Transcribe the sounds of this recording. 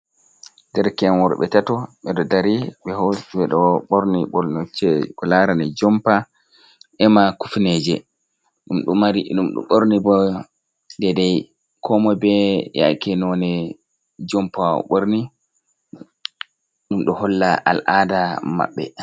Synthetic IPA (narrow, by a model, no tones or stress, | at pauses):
dɛɾkɛmwɔɾɓɛ̰tatɔɓɛɗɔdaɾiɓɛhɔwɛɗɔɓoɾniɓɔlnɔt͡ʃːɛkɔlaɾanɛd͡ʒɔmpa | ɛmakufned͡ʒɛ̰ | ɗumɗumaɾiɗumɗṵɓoɾnibɔ | ndɛdɛj | kʰɔmɔbɛja̰jkɛnɔnɛ | d͡ʒɔmpaɔ̰ɓoɾni | ɗumɗɔhɔlːaʔa̰lʔadama̰ɓːɛ̰